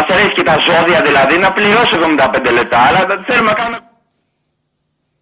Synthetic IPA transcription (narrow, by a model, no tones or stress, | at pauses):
ɐseɾescet̪ɐzo̞ðiɐðilɐðinɐpliɾo̞sivðomind̪ɐpend̪ele̞p̚t̪ɐːlɐθelumenɐkɐnume